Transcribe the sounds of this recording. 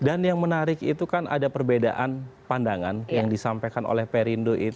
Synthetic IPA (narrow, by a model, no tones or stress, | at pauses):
danjaŋmənaɾɪkit̪ukanʔa̰dapərbeda̰ʔanpandaŋanjaŋdisampajkano̰lɛhpeɾindoʔi